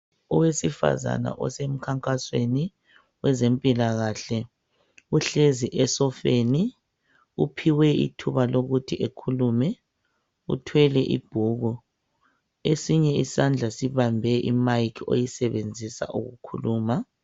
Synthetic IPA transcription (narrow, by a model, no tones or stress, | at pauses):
ɔwesifa̰za̰na̰ʔɔ̰sem̩kʰaŋkʼasweni | wɛzempʼilaɣaɬɛ | uɬeziʔɛsɔfeːni | upʰiwɛḭtʰuβaloɣutʰiʔekʰulumɛ | ṵtʰwɛlɛʔḭb̥ʱuɣu | esiɲɛisand͡ɮʱasiβambʱɛʔimajkʰo̰jisɛβend͡zʱisa̰ʔuɣukʰuluːma